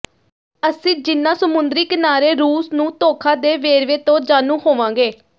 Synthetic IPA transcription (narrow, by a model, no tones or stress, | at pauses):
əsĩːd͡ʒɪnːãːsəmʊnd̪ɾiːkənaːɾeːɾuːsnũːt̪oːkʰãːd̪eːʋeːɾʋeːt̪õːd͡ʒaːnũːhoːʋãːŋɡeː